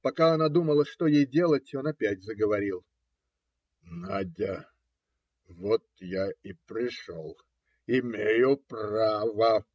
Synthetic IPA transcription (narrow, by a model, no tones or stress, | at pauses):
pɐkaɐnad̪uməlˠəʂt̪o̞jejdʲe̞lˠətʲo̞nɐpʲætʲzəɡəvɐɾʲilˠ | nadʲə | vot̪jaɪpɾʲɪʂo̰lˠ | ɪmʲejʊpravə